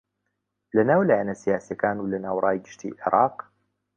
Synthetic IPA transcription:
lɐnaːwlaːjanɐsijaːsijɐkaːnuːlɐnaːwrˤaːjɡɨʃt̪ʰḭːʔḛɾˤʔɑːq

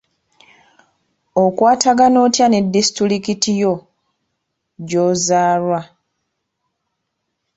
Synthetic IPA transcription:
okwaːtaɡano̞ːtjane̞dːistɾulikitijo | ɟoːzaːlwa

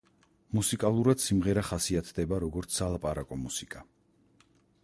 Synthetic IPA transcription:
musikʼalˠuɾad̪̥simʁɛɾaχasiat̪ʰd̪ɛbaɾɔɡɔɾt̪sʰsalˠapʼaɾakʼɔmusikʼa

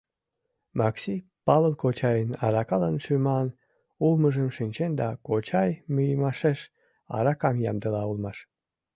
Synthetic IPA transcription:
mɑksipɑləlkot͡ɕɑjənɑ̰ɾɑkɑlənʃymɑn | ulməʒəmʃinʲt͡ɕend̪ɑkot͡ɕɑjmyjəmɑʃeʃ | ɑ̰ɾɑkɑmjɑ̰md̪əlɑulmɑʃ

